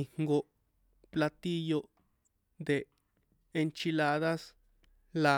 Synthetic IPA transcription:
i˧˨ŋ̥ɡo˧ | pla˧t̪i˦jo˧ | nd̪e˨ | e˧nt͡ʃi˧la˧ða˦s | la˧

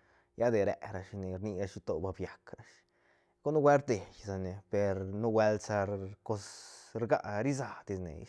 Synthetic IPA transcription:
ja˦d̪e˨ɾḛ˨ɾa˧ʃni˨ɾni˧ɾa˧ʃi˧t̪o˨ba˧bja˨kɾa˨˧ʃ | ɡ̥o˦nu˦we˦ɾt̪e˨jsa˨ne˨pe˨ɾnu˦we˧lsa˧ɾko˧sɾɡa˦ʔɾi˦z̬a˨d̪i˧snḛ˨

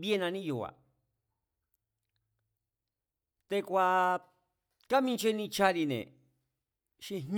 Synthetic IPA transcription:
βje˦nã˧nĩ˦ju˨a̰˨ | t̪e˧kʷa˧ | ka˦mĩ˧nt͡ʃe˧nĩ˧t͡ʃa˧ɾi˧nḛ̃˨ | ʃi˧ɦ

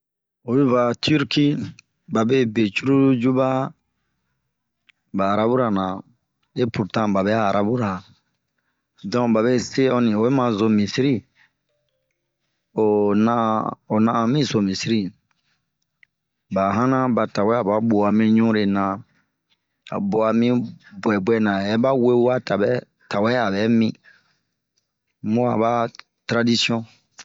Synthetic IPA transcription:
o˨bi˦va˨tu˦ɾki˦ | ba˨be˦be˨t͡ʃu˦ɾu˦d͡ʒu˦ba˦ | baː˨ɾa˦bu˦ɾa˨nã˨ | e˦pu˨ɾtã˦ba˨be˦aː˦˨ɾʔa˨bu˦ɾa˨ | dɔ̃˦ba˨βe˦se˦ɔ˦nĩ˨o˨e˦mã˨zo˨mĩ˨si˦ɾi˦ | o˨nao˨nã˦˧mĩ˦zo˨mĩ˨si˦ɾi˦ | ba˨ɦã˦nã˦ba˨ta˨wɛ˦a˨ba˦bo˨a˨mĩ˦ɲũ˦ɾe˨nã˨ | a̰˨bo˨a˨mĩ˦bwɛ˨bwɛ˨nã˨jɛ˦ba˦we˦wa˦ta˨bɛ˦ | ta˨wɛ˦a˨bɛ˨˦mĩ˦ | mũ˦a̰˨ba˦ | tɾa˦di˦si˦ɔ̃˦

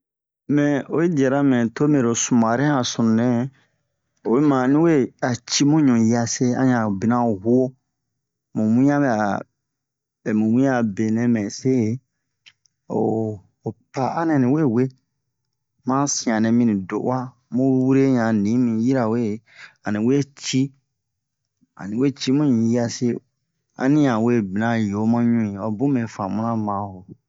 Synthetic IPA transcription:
mɛ̃˨o˨i˦di˨ɛ˨ɾa˦mɛ̃˨to˦me˨ɾo˨su˨mã˨ɾɛ̃˦ã˨sũ˨nɛ̃˦ | o˨we˦mã˨nĩ˦we˦a˨t͡ʃi˦mũ˦ɲũ˨ja˧se˦ã̰˦ɲã˨bi˨nã˦˨hu˦o˦ | mũ˨mũ˦ã˦mɛ˨a˨ | ɛ˨mũ˨mũ˦a˨be˨nɛ̃˦mɛ̃˨se˦˨˦ | o̰ː˨ | pa˨ʔa̰˦nɛ̃˨nĩ˨we˦˨we˦ | mã˦sĩ˨ã˨nɛ̃˨mĩ˦nĩ˨do̰˨ʔa˦ | mũ˦wu˦ɾe˦ɲã˨nĩ˨˦mĩ˨ji˦ɾa˨we˦˨˦ | a˨nĩ˨we˦t͡ʃi˦ | a̰˨nĩ˨we˦˨t͡ʃi˦mũ˦ɲĩ˨ji˦a˧se˦ | a̰˦nĩ˦ã˨we˦bi˨nã˨˦jo˨˦mã˦ɲũ˦ĩ˨ɔ˨bũ˦mɛ̃˨fã˨mũ˦nã˦mã˨˦ho˨

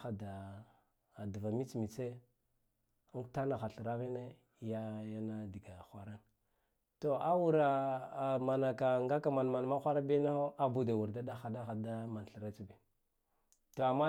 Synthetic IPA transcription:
a˨daː˨ | du˨va˨mi˦t͡smi˨t͡se˦ | u˦ta˦na˨xa˨ɬə˨ɾa˦vi˦ne˦˨˦ | ja˦ja˦na˦di˨ɡa˨xʷa˨ɾa˦n | to˨a˦wu˦ɾa˨ma˨na˨ka˨ŋɡa˦ka˨ma˨n˨ma˨n˨ma˦xʷa˦ɾa˦bi˦na˦xo˦a˦bu˨da˨wu˨ɾda˦da˦xa˨da˦xa˨da˦ma˨n˨ɬi˨ɾa˦t͡sbi˨ | to˨a˨mːa˦

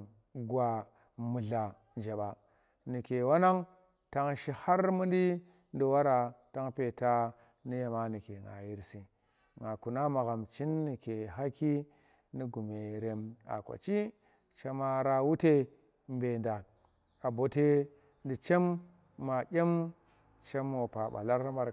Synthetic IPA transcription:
ɡwa˨ | mu˨ɮa˨ | nd͡ʒa˨ɓa˨ | ni˨ke˨wa˦na˦ŋ | ta˦ŋʃi˦ha˦ɾmu˦ndi˦ | ndi˨wa˦ɾa˨ta˦ŋpe˨ta˦ | ni˦ja˨ma˦ni˨ke˨ŋa̰˨ji˦ɾsi˨ | ŋa˨ku˨na˦ma˨ɣa˨mt͡ʃi˦nːi˨ke˨ɦa˦ki˦ | ni˦ɡu˨me˨ɾe˨ma̰˨kʷa̰˨t͡ʃi˦ | t͡ʃe˦ma˦ɾa˦wu˦te˦ | mbe˨nda˨ | a˨bo˨te˦ | ndi˨t͡ʃe˦mː | a˨d͡ʒʲe˦m | t͡ʃe˦mo˨pa˨ɓa̰˨la˦ɾma˨ɾ

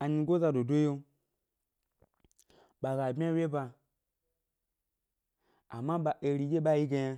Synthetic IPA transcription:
a˨ɲi˧ɡo˦za˧do˨do˦jo˦ | ɓa˨ɡa˨bmʲi˦a˦wʲe˦ba˧ | a˨mːa˦ɓa˨ʔe˨˧ɾi˨˧d͡ʒʲe˦ɓa˦ji˦ɡa˧ja˧

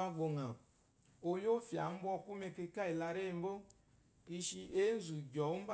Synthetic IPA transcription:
a˦ɡ͡bo˨ŋa˨ | o˨jo˦fja˨m̩˦bɔ˦ku˦me˧ke˧ka˦i˨la˧ɾe˦˨m̩˦bo˦ | i˦ʃi˧ʔe˦n̩˦zu˨ɡɔ˨˦m̩˦b

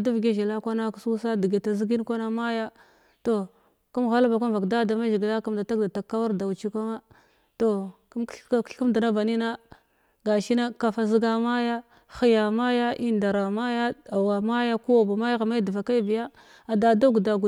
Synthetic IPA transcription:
du˦vɡe˦ʒi˨la˦kʷa˦na˦ksu˦sa˦di˨ɡe˨ta˨zi˦ɡi˦n˦kʷa˦na˦ma˦ja˦ | to˨ | ku˦mɣa˦lba˨ka˦mva˨kda˦da˨ma˦ʒi˨ɡla˦ku˦mda˨ta˦kda˨ta˨kːa˦wa˦ɾda˨u˨t͡ʃi˦ka˦ma˦ | to˨kɬku˦da˨na˦va˨ni˦na˦ | ɡa˨ʃi˦na˦ka˨fa˨zi˦ɡa˦ma˦ja˦ | xi˨ja˨ma˦ja˦ʔi˦nda˨ɾa˨ma˦ja˦a˨wa˨ma˦ja˦ku˦wa˨ba˨ma˦ja˦ɣa˨ma˦di˨va˨ka˦i˦bi˨ja˦ | a˨da˨da˦ɡda˨ɡu˨

